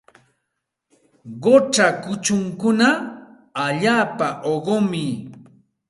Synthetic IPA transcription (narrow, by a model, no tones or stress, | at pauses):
ɢoʈ͡ʂakʊt͡ʃʊŋkʊna | aʎaːpaʔoɢomɪ